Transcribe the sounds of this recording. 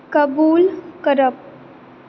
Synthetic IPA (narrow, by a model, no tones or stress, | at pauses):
kəbuːlkəɾəp̚